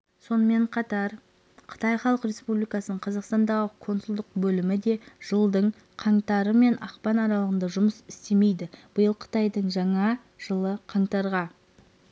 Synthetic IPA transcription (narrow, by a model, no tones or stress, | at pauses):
so̞nəme̞ɴqʰɑt̪ɑɾ | qʰə̥t̪ɑjχɑlˠəqɾʲe̞spublijkɑsənəɴqʰɑzɑqst̪ɑnd̪ɑʁəkʰo̞nsʊlˠd̪əq̚bɵlɪmɪd̪e̞ʒ̥əlˠd̪əɴ | qʰɑɴt̪ɑɾəme̞nʔɑqpɑnɑɾɑlˠəʁənd̪ɑʒʊməsɪst̪e̞me̞jd̪ɪb̥əjəlˠqʰə̥t̪ɑjd̪əɴʒɑɴɑ | ʒ̥əlˠəqʰɑɴt̪ɑɾʁɑ